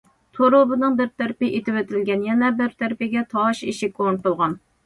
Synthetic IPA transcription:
t̪ʰoɾobɨnɨŋbɪɾt̪ʰæɾpɪʔet̪ɪwɛt̪ʰɪlɡʲɛnjɛnɛbɪɾt̪ʰæɾpɪɡʲɛt̪ʰɑʃiʃikʰont̪olˠʁɑn

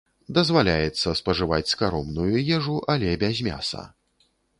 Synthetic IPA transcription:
d̪ɐzvalʲajɛt̪sːɐspɐʐɨvat͡sʲskaɾɔmnujujɛʐuʔɐlʲɛbʲazʲmʲa̰sɐ̰

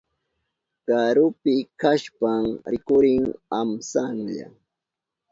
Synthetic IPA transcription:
kaɾʊpɪkaʃpaŋɾɪkʊɾɪŋamsaŋʎa̰

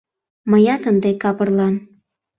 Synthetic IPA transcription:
məjɑt̪ənd̪ekɑpərlɑn

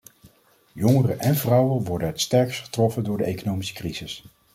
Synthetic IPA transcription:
jɔŋərənʔɛnvrʌwənʋɔɹdənɛtstɛɹksχə̥trɔfəndʊːɹdəejkonowmisə̥kriz̥ɪs

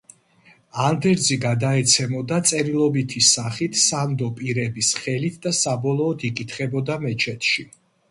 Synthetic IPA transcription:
and̪ɛɾd̪ziɡad̪aɛt̪sʰɛmɔd̪at̪sʼɛɾilˠɔbit̪ʰisaχit̪ʰsand̪ɔpʼiɾɛbisχɛlit̪ʰd̪asabɔlˠɔːd̪ikʼit̪ʰχɛbɔd̪amɛt͡ʃʰɛt̪ʰʃi

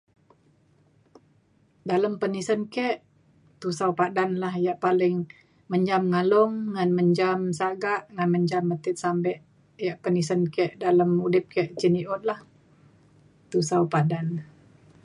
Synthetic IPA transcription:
daləmpənisənkɛʔ | t̪usawpadanlahjaʔpalɪŋ | məɲd͡ʒamŋalɔŋːanməɲd͡ʒamsaɡaʔŋanməɲd͡ʒambət̪ɪt̪̚sambɛʔ | jaʔpənisənkɛʔdaləmudɪp̚kɛʔt͡ʃiniʔɔt̪̚lah | t̪usawpadan

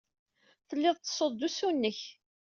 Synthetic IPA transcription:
θəlːɪðˤt̪ːə̥sˤəd̪ːusunːəç

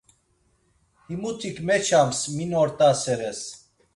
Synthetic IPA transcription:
himut̪ʰikmɛt͡ʃʰamsminɔɾt̪ʼasɛɾɛs

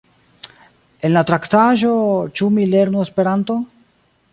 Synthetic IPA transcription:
e̞nlatɾaktaʒo̞t͡ʃumile̞ɾnuespe̞ɾanto̞

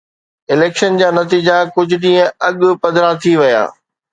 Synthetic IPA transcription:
ɪleːkʃənd͡ʑaːnɐt̪iːd͡ʑakʊd͡ʑʱʊ̆ɗĩːə̃ɐɠʊ̆pɐd̪ʱɾat̪ʰiʋɐja̰ː

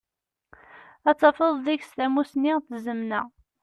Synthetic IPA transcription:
æt͡sːɑfəðˤðiçst̪æmusniʁθəzəmnæ

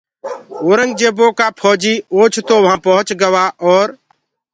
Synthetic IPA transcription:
oːɾəŋɡd͡ʒeːboːkaːpʰɔːd͡ʒiːoːt͡ʃʰt̪oːʋɦãːpəɦət͡ʃɡəʋaːʔɔːɾ

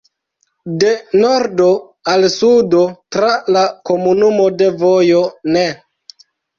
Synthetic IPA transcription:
de̞noɾdo̞ | alsudo̞tɾalako̞munumo̞de̞vojo̞ne

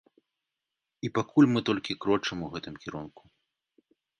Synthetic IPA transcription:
ipakʰulʲmɨt̪ɔlʲkʲikɾɔt͡ʂɨmuɣɛt̪ɨmkʲiɾunku̥

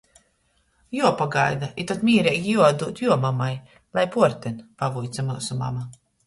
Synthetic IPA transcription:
juɔpaɡajd̪ait̪at̪mʲiːɾɛːɡʲjuɔad̪uːt̪juɔmamaj | lˠajpuɔɾt̪ɛnpavujt̪samuɔsuma̰ma

